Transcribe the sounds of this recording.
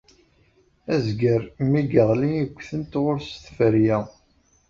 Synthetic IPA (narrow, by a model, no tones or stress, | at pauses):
æzɡəɾmiɡəʁliəɡʷːθənt̪ʁoɾst̪fəɾjæ